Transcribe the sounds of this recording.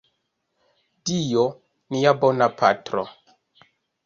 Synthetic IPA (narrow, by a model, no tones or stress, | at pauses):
dijo | nijabonapʰa̰tɾo̰